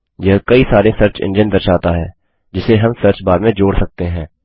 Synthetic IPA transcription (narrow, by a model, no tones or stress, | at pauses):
jɐɦkɐisaːɾesəɾt͡ʃɪ̰̃nd͡ʒənd̪əɾʃaːt̪aɦɛː | d͡ʒɪseɦɐmsəɾt͡ʃbaːɾmẽd͡ʒoːɽsɐk̚t̪eɦɛ̃ː